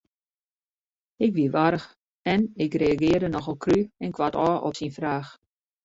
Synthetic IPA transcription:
ɪkʋiʋaɾəx | ɛnɪkreaɡɪːərdənɔxəlˠkʰryɛnkʋatɔːʔɔ̰psinfraːx

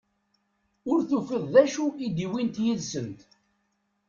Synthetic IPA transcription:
ʊɾθufəðˤðæʃuid̪iwint̪jiðsənt̪

